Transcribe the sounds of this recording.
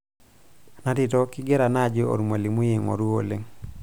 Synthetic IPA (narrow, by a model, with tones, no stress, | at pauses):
na˦tɪ˨tɔ˦kɪ˦ɡɛ˦ɾa˨na˦d͡ʒɪ˦o̰˨ɾmwa˨li˨mu˦je˨ŋɔ̰˨ɾu˦o̰˨le˦ŋ